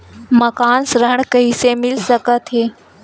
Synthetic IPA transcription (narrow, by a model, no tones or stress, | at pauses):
mɐkaːnsɾəɳ̃kɐɦisemɪlsəkət̪ɦeː